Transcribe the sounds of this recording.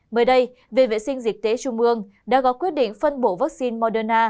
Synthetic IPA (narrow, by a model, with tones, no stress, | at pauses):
məː˨˦jɗə˧j | ve˨˩vḛ˧˨sï˧ŋ̟zi˨˩k̟̚t̪e˨˦t͡ɕʊ˧ŋ͡mʔɨ˧əŋ | ɗa̰ː˧˥ɣɔ˨˦kwi˦˥ət̚ɗḭ̈˧˨ŋ̟fə˧nɓo˧˩vaː˦˥k̚si˧nmɔ˧ɗəː˧naː˧